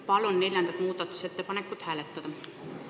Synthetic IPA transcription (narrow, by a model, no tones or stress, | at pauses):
pɑlonːe̞lʲjɑnd̪ɑt̪muːt̪ɑt̪ːu̥set̪ːepɑnekːˑut̪hæːlet̪ːæd̪̥ɑ